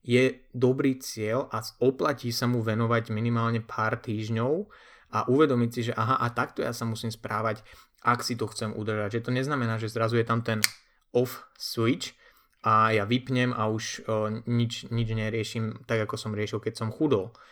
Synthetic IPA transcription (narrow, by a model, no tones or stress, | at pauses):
jɛd̪ɔbɾiːt͡sɪɛlʔaɔplaciːsamuʋɛnɔʋaɟminimaːlɲɛpʰaːɾt̪iːʒɲɔʊ | ʔaʔuʋɛd̪ɔmicsiʒɛʔaɦaʔat̪akt̪ɔjasamusiːmspɾaːʋac | ʔaksit̪ɔxt͡sɛmʔṵd̪r̩ʒaɟʒɛt̪ɔɲɛznamɛnaːʒɛzɾazujɛt̪amt̪ɛn | ɔfsʋit͡ʃ | ʔajaʋipɲɛmʔauʃɲit͡ʃɲid͡ʒɲɛɾɪɛʃiːmt̪aɡakɔsɔmɾɪɛʃilkɛcsɔmxud̪ɔl